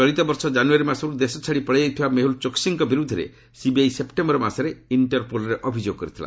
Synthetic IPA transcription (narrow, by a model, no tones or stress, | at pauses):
ɔɽit̪ɔbɔɾsɔd͡ʒanuaɾimasɔɾud̪esɔt͡ʃʰaɽipɔɭejejt̪ʰibameɦult͡ʃoksiŋkɔbiɾud̪ʱːɔɾḛ | sibiajsepʈembɔɾɔmasɔɾeiɳʈɔɾpolɔɾeʔɔbʱid͡ʒoɡɔkɔɾit̪ʰila̰